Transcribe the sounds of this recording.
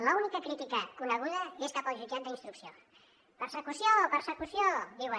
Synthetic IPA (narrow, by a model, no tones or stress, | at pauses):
ləunikəkɾit̪ikəkunəɣ̞uðəeskapalʒud͡ʒat̪̚d̪əinst̪ɾuksio | pəɾsəkusjopəɾsəkusjod̪iwə